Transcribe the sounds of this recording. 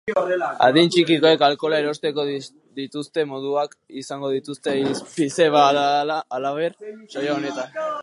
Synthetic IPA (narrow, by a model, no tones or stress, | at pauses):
a̰ðint͡ʃikiko̞e̞kalko̞laeɾo̞st̪e̞ko̞ð | ðit̪ust̪e̞mo̞ðuak | isaŋɡo̞ð̞it̪ust̪eispise̞βaaːlaβeɾʃojaone̞t̪an